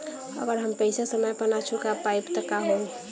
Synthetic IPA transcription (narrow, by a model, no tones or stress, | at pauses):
ə̰ɡəɾɦəmpəɪsasəməjpənat͡ʃʰukapaɪpt̪əkaɦo